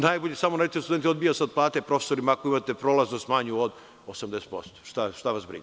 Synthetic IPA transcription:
najboʎesamonat̪iosud̪ent̪od̪bijasad̪̚plˠaːt̪epɾo̞fesoɾimaakoimat̪epɾoːlaznost̪maɲuod̪ | osamd̪ese̥t̪po̞̰st̪o̥ʃt̪aʃt̪aʋasbɾḭɲ

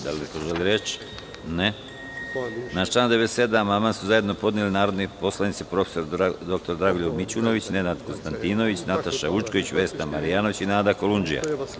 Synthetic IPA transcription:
d̪alek̪oʒeliɾe̞t͡ɕ | ne | nat͡ʃaːnd̪eʋet̪se̞d̪amamasuzaje̞d̪no̞po̞d̪nilinaːɾo̞d̪nepo̞slˠanit̪sipɾo̞fe̥so̞ɾd̪o̞k̚t̪o̞ɾd̪ɾaɡuʎomit͡ɕuno̞ʋit͡ɕne̞nad̪ko̞nst̪ant̪iːno̞ʋit͡ɕnat̪aʃaʋut͡ʃko̞ʋit͡ɕʋe̞ːst̪amaɾijaːno̞ʋit͡ɕinaːd̪ako̞lund͡ʒija̰

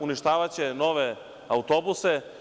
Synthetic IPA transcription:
uniʃt̪aːʋat͡ɕeno̞ʋe | aut̪o̞buse

